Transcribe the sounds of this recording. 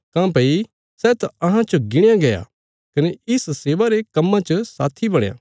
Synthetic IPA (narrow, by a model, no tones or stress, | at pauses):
kãːpɐi | sɛːt̪aɐɦãt͡ʃɐɡɪɽ̃jãɡɐja̰ | kɐneɪsseːʋaɾekɐmːãt͡ʃəsaːt̪ʰibɐɽ̃jã̰ː